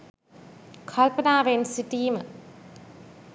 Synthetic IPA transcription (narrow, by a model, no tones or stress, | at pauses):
kʰɐlpənaːʋensiʈiːmə